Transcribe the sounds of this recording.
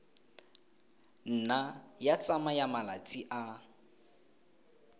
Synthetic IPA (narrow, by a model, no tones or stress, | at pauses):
n̩najat͡sʼamajamalat͡sʼiʔa